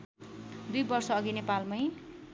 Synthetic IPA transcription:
d̪ujbʌrsʌːɡinepalmʌj

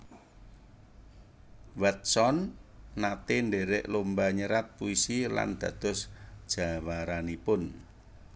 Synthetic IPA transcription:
wɛt̪̚sɔnːat̪enɖeɾɪʔlumbaɲəɾat̪̚puisila̰nd̪̥ä̤d̪̥ɔ̤sd̥ʒ̥a̤waɾanipʊn

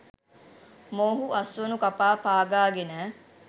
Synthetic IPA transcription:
moːɦuʔɐsʋənukapaːpaːɡaːɡenɛː

